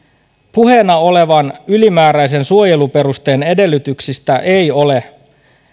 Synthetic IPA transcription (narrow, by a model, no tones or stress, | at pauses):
puhe̞nɑo̞le̞ʋɑnylimæːɾæjs̬ensuo̞je̞lupe̞ɾust̪e̞ːne̞de̞lːyt̪yksist̪æʔe̞jo̞le̞